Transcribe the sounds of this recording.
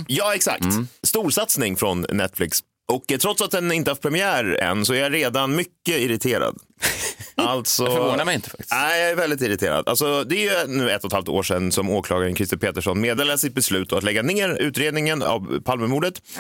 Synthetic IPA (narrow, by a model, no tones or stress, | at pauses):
jɑːɛksa̰kt̪st̪uːʂat̪snɪŋfɾɔnːɛt̪ːflɪks | ɔkt̪ʰɾɔt̪sat̪̚d̪ɛnɪnt̪əhaft̪̚pʰɾɛmɪæːɾɛ̰nːsɔæɾjaɾeːd̪anmʏkːəɪɾɪt̪ʰeːɾa̰d̪ | ʔalt̪sɔɾvoːnaɾmɛjɪnt̪əfa̰k̚t̪ɪ̥æɪjɑæɾvɛld̪ɪt̪ɪɾɪt̪ʰḛːɾa̰d̪a̰lsɔd̪ɛæɾjɵnʉ̟ːɛt̪ːɔt̪halft̪o̰ːʂɛnːsɔmoːkʰlɑːɡaɾənkʰɾɪst̪ɪpʰeːt̪əʂɔnmeːd̪eːlasɪt̪̚bɛslʉ̟ːt̪d̪ɔat̪lɛɡːaneːɾʉ̟ːt̪ɾeːd̪nɪŋəna̰vpʰalməmuːɖət̪